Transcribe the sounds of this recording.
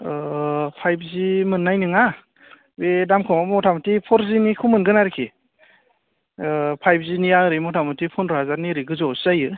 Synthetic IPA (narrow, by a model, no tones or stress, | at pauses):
pʰajb̚ʰzimɯnːajnɯŋa | bedamkʰɔmamɔtʰamɔtipʰɔɾzinikʰumɯnɡɯnaɾikʰi | pʰajp̚ʰziniaɾimɔtʰamɯtipʰɔnɾazaniɾiɡɯzɔsajɯ